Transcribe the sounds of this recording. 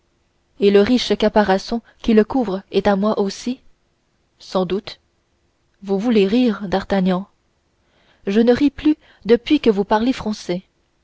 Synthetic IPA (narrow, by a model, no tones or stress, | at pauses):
eləʁiʃkapaʁasɔ̃ | kʲiləkuvʁɛt̪amwaʔosi | sɑ̃d̪ut̪ | vuvuleʁiːʁd̪aʁt̪aɲɑ̃ | ʒənəʁiply | d̪əpɥikəvupaʁlefχɑ̃sɛ